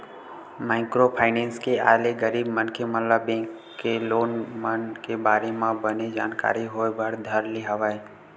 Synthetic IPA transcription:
maːɪkɾopʰaːɪnẽːnskea̰ːleɡəɾiːbmənkemələbẽːŋkː | eloːnmənkebaːɾemãbəned͡ʒa̰ːnka̰ːɾiɦoːbəɽd̪ʱəɾliɦəʋaːe

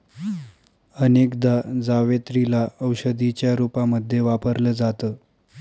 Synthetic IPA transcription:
ənekd̪ad͡zaʋet̪ɾilaəwɕəd̪it͡ɕjaɾupaməd̪ʱːjeʋapəɾləːd͡zat̪əː

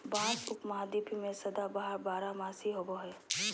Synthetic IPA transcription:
bãːt͡ʃʊkmɐɦad̪ipimẽsɐd̪abaɦəɾbaːɾamaːsiɦoboɦɛ

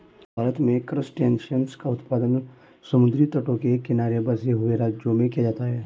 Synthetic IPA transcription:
bʱaːɾət̪mẽkɾəsʈẽːnʃənskaʊt̪paːd̪ən | sɐmʊd̪ɾit̪əʈõkekɪnaːɾebɐseɦʊeɾaːd͡ʒjomẽkijad͡ʒaːt̪aɦɛː

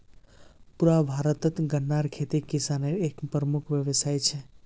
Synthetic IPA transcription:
puɾabʱaɾət̪ət̪ɡənːaɾkʰet̪ikisaneɾekpɾəmukʰʋjəʋsajt͡ʃʰe

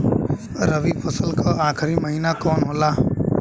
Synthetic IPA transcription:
ɾəʋiːpʰəsəlkʰaːaːkʰɪɾiːməɦiːnakoːnɦolaː

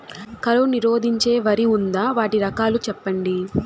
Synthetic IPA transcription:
kɐɾoniɾo̞ːd̪ʱiɲt͡ʃe̞ːʋɐɾiund̪aːʋaːʈiɾɐkaːlut͡ʃɛpːɐɳɖi

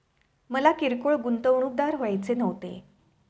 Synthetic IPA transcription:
məlakiɾkoɭɡunt̪əʋɳ̃uːk̚d̪aɾɦojajt͡senəʋt̪ḛ

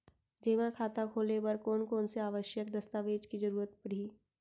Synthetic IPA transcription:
d͡ʒeːmãkʰaːt̪akʰoːlebɐɾkoːnkoːnseaːʋəʃjək̚d̪ɐst̪aːʋeːd͡ʒkid͡ʒɐɾuːɾət̪̚pɐɽ̤iː

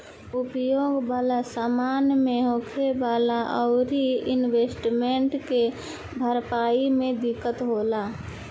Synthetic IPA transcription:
ʊpjoːɡwaːlasaːmaːnmẽɦoːkʰebaːlaʔɔʊɾiɪnweːsʈmẽɳʈke | bʱəɾpaːimẽd̪ɪkːət̪ɦoːlaː

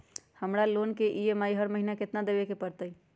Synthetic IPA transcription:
həmɾalonkeʔiemaiɦəɾməɦinaket̪nad̪ebekepəɾt̪əj

